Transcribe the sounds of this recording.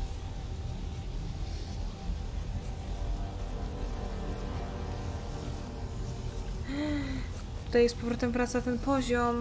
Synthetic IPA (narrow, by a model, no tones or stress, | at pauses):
tt̪ut̪ajɛst̪pɔvɾɔt̪ɛmpɾat̪sat̪ɛnpɔʑɔm